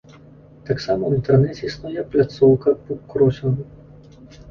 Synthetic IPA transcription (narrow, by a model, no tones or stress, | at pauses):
t̪aksamɐwint̪ɛrnɛt͡sʲisnujɛplʲat̪sɔwkɐpukɾɔsʲɔnu